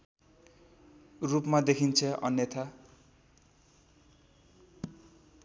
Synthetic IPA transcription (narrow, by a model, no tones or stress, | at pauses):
rupmad̪ekʰint͡sʰʌʌ̰njʌt̪ʰa